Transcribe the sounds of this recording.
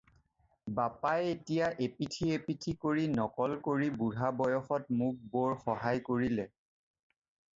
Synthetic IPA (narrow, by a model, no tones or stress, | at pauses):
bapajetijaʔepitʰiepitʰikoɹinɔkɔlkoɹibuɹabɔjɔxɔtmʊk̚bɔɹxɔɦajkoɹilɛ